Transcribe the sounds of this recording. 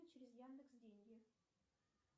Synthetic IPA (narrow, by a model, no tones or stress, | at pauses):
ɪt͡ɕɪɾʲɪzjand̪əksdʲenʲɡʲɪ